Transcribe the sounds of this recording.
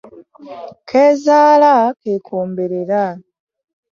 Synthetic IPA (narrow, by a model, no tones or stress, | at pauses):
kʰeːzaːlakeːkʰoːmbeɾeɾa